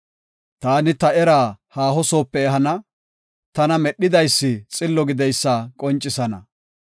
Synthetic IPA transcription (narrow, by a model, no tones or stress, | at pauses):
t̪aːnɪt̪ɐɛɾaːhaːɦɔso̞ːpːɛɛɦɐnɐ | t̪ɐnɐmɛɗːɪd̪ɐjsːɪt͡sʼɪlːɔɡɪd̪ɛjsːakʼɔnt͡ʃʼːɪsɐnɐ̰